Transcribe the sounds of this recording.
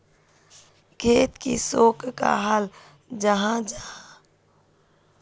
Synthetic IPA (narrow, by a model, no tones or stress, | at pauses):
kʰeːt̪kḭsoːkka̰ɦəl | d͡ʒəɦãd͡ʒaa